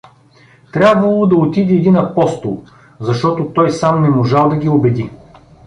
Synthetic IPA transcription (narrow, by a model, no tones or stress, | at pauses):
t̪ɾʲabvɐlˠod̪ɐot̪id̪iɛd̪inɐpɔst̪olˠ | zɐʃt̪ɔt̪ot̪ɔjsamnɛmoʒalˠd̪ɐɡʲiobɛd̪i